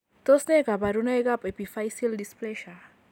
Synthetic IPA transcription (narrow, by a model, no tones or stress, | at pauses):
t̪osneɡabaɾunajɡapepifajsildisplɛʃa